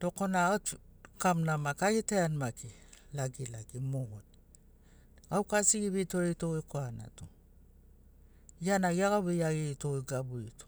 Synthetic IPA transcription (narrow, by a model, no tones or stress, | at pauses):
to̞konaot | kamnamakaɡiteanmakilaɡilaɡimoɡot | ɡawkasiɡiβitoɾetoɡekoana̰to | janaɡiaɡaβejaɡeitoeɡabuito̥